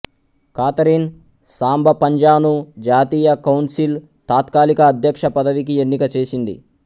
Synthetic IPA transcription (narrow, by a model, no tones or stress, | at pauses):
kaːt̪ɐɾin | saːmbʱɐpɐɲd͡ʒaːbnud͡ʒaːt̪iːjɐkɐwnsil | t̪aːt̪kaːlikɐːd̪ʱjɐkʂɐpɐd̪ɐʋik̬ienːikɐt͡ʃe̞ːsind̪ḭ